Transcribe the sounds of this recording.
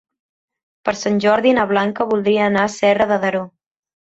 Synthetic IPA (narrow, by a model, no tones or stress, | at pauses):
pəɾsanʲʒɔɾðinəβ̞laŋkəβulˠd̪ɾiəːnasɛrəðəðəɾo